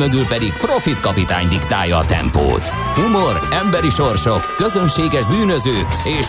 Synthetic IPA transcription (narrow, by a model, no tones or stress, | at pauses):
mɛɡylpɛd̪ikpro̞fit̪kɒpit̪a̰ːɲd̪ikt̪a̰ːjɒːt̪ɛ̰mpo̰ːt̪ | humoɾɛmbɛɾiʃo̞rʃo̞kːø̞zønʃeːɡɛʒbyːnøzøːkeːʃ